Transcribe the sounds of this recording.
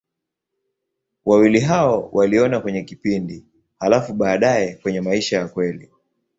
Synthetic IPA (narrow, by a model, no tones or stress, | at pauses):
wawiliɦaɔwʔaliɔnakwɛɲɛkipindi | halafuɓaːɗajɛkwɛɲɛmaiʃajakwɛli